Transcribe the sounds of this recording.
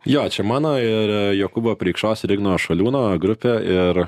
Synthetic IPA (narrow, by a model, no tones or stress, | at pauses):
joːt͡ʃʲɛmɑːnoːɪɾjoːkʊboːpʲɾʲɛɪkʃtoːsɾʲɪɡnoːʃɐlʲuːnoːɡɾʊpʲeːɪɾ